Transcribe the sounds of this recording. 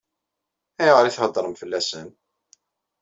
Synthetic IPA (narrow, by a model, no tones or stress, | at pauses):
æjʁəɾiθhəd̪ˤɾˤəmfəlːæsən